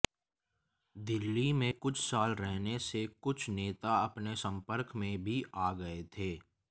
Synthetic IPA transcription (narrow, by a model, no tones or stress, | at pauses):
d̪ɪlːimẽkʊt͡ʃʰsaːlɾɛɦnesekʊt͡ʃʰneːt̪aɐpnesɐ̃mpəɾkmẽbʱiʔaːɡɐet̪ʰeː